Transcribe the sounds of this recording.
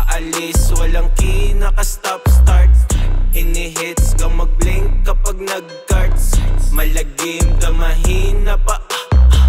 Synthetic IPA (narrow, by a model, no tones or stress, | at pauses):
ʔɐlɪswɐlɐŋkinɐkɐst̪apst̪aɹt̪̚hɪnɪɦɪt̪skɐmɐɡ̚blɪŋk̚ːɐpaɡ̚nɐɡkaɹt̪smɐlɐɡɪŋk̪ɐmɐɦinɐpɐʔ